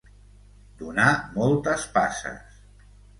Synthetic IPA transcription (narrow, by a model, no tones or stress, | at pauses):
d̪unamɔlˠt̪əspasə̰s